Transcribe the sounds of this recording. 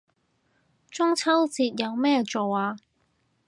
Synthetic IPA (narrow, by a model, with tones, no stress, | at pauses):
t͡ʃʊ˥ŋt͡sʰɐ˥wt͡siː˧t̚jɐ˨˧wmɛː˥t͡so˨waː˧